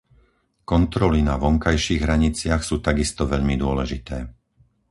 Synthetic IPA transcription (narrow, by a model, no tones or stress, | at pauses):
kɔnt̪ɾɔlinaʋɔŋkajʃiːɣɦɾaɲit͡sɪaxsuːt̪aɡist̪ɔʋɛʎmid̪ʊɔlɛʒit̪ɛː